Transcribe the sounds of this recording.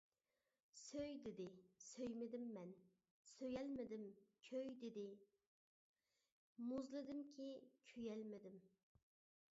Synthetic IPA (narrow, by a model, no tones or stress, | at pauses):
søjd̪ɪd̪ɪsøjmɪd̪ɪmːɛn | søjɛlmɪd̪ɪmkʲʰøjd̪ɪd̪ɪ | muzlˠɨd̪ɪmkʲʰikʲʰøjɛlmɪd̪ɪm